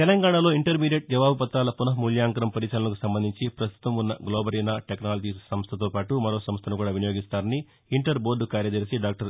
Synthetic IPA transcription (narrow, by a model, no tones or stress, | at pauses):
t̪ɛlɐŋɡaːɳalo̞ːiɳʈɐɾmiːɖjeʈ̚d͡ʒɐʋaːbɐpɐt̪ːaːlɐpunɐɦɐmuljaːŋkɐɾɐmpɐɾit͡ʃɐlɐnɐkusɐmbɐnd̪ʱiɲt͡ʃipɾɐst̪ʰu̥t̪ɐmunːɐɡloːbɐɾinaːʈeknaːlɐd͡ʒisɐmst̪ʰɐt̪oːpaːʈumɐɾo̞ːsɐmst̪ʰɐnukuːɽaːʋinɐjoːɡist̪aːɾɐni | iɳʈɐɾbo̞ːɖukaːɾjɐd͡ʒ̪ɐɾsiɖaːk̚ʈɐɾ